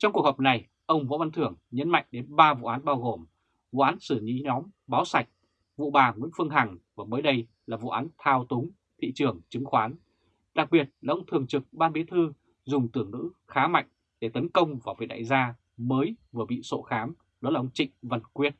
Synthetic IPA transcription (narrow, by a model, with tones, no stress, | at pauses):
t͡ɕɔ˧wŋ͡mku˨˩əkhɔ˨˩p̚na˨˩j | ʔə˧wŋ͡mvo̰˧˥va˧nt̪ʰɨ˧˩əŋɲə˨˦˥nma̰˧˨jŋ̟ɗe˨˦nɓaː˧vṵ˧˨ʔaː˨˦nɓaː˧wɣo˨˩m | vṵ˧˨ʔaː˨˦nsɨ˧˩ɲḭ˧˥ɲɔ˨˦mɓaː˨˦wsa˨˩jk̟̚ | vṵ˧˨ɓaː˨˩ŋwḭ˧˥nfɨ˧əŋɦa˨˩ŋvaː˨˩məː˨˦jɗə˧j | laː˨˩vṵ˧˨ʔaː˨˦nt̪ʰaː˧wt̪ʊ˨˦ŋ͡m | t̪ʰḭ˧˨t͡ɕɨ˨˩əŋt͡ɕɨ˨˦ŋxwaː˨˦n | ɗa˨˩k̚ɓi˨˩ət̚laː˨˩ʔə˧wŋ͡mt̪ʰɨ˨˩əŋt͡ɕɨ˨˩k̚ɓaː˧ɓi˨˦t̪ʰɨ˧ | zʊ˨˩ŋ͡mt̪ɨ˨˧˩əŋnɨ̰˧˥xaː˨˦ma̰˧˨jŋ̟ | ɗe˧˩t̪ə˨˦nkə˧wŋ͡mvaː˨˩vi˨˦˩ɗa̰ː˧˨jzaː˧ | məː˨˦jvɨ˨˩əɓḭ˧˨so̰˧˨xaː˨˦m | ɗla˨ʔə˧ŋ͡mt͡ɕḭ˧˨ŋ̟və˨˩nkwi˧˥ət̚